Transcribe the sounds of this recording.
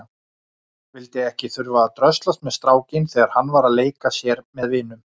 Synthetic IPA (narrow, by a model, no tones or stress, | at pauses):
vɪlt̪ɪɛhcɪθʏɾvaðat̪ɾœst̪last̪mɛðst̪ɾaːwcɪnθɛːɣaɾ̥hanːvaːɾaðleːjkasjɛɾmɛðvɪːnʏm